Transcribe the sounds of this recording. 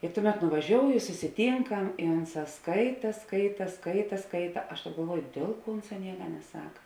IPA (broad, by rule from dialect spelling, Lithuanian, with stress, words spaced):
ɪ ˈtʊˌmʲɛt nʊʋɐˈʒʲoːʊjoː ɪ sʊsʲɪˈtʲiːŋkɐm ɪ ˈʊnˌsɑː ˈskɐɪtɐ ˈskɐɪtɐ ˈskɐɪtɐ ˈskɐɪtɐ ˈɐʃ ɡɐlˠˈʋuɔjʊ ˈdʲeːlˠ ˌkuɔ ˈʊnˌsɑː ˈnʲiɛkɐ nʲɛˈsɐk